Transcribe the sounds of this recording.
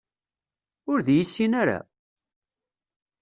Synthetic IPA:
ʊɾðjisːinaɾa̰

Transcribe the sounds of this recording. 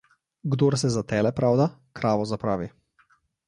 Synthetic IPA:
ɡd̪oɾsɛzat̪ɛːlɛpɾawd̪akɾaːʋɔzapɾaːʋi

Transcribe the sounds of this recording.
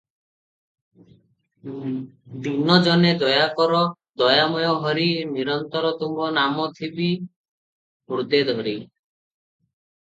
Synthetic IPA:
d̪inɔd͡ʒɔned̪ɔjakɔɾɔd̪ɔjamɔjɔɦɔɾiniɾɔnt̪ɔɾɔt̪umbɔnamɔt̪ʰibi | muɾd̪ed̪ʱɔɾi

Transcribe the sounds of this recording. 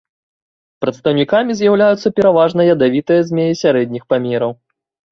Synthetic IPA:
pɾɐt̪st̪ɐwnʲikamʲizʲjawlʲajut̪sːɐpʲɛɾavaʐnɐjɐd̪avʲit̪ɨjɐzʲmʲejisʲaɾɛd̪ʲnʲixpamʲɛɾɐw

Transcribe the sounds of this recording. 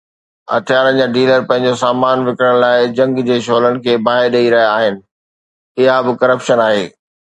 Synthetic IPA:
ɐ̰t̪ʰɪjaːɾənd͡ʑaːɖiːləɾpɐ̃ɦɪ̃ɲd͡ʑosaːmaːnʋɪkɾəɽ̃̆laːɪd͡ʑɐ̃ŋɡd͡ʑeːʃoːləɽɪ̆kʰeːbaːɦɪɾɗɐiɾɐɦjaːɦɪnɪ̆ | ɪɦabɪkɐɾəpʃənaːɦeː

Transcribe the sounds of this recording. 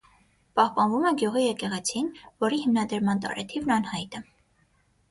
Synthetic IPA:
pɑhpɑnvumɛɡjuʁijɛkɛʁɛt͡sʰinvɔɾihimnɑd̪əɾmɑnt̪ɑ̰ɾɛ̰t̪ʰivnɑnhɑjt̪ə

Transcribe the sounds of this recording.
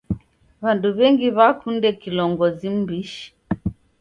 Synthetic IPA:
βanduβɛŋɡiβakundɛkilɔŋɡɔzim̩biʃi̥

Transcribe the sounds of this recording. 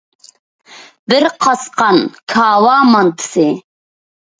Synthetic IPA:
bɪɾqʰɑsqɑnkʰɑːwɑmɑnt̪ʰɨ̥si

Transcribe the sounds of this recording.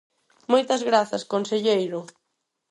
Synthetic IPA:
mojt̪ɐzɣɾaθɐskonseʎejɾʊ

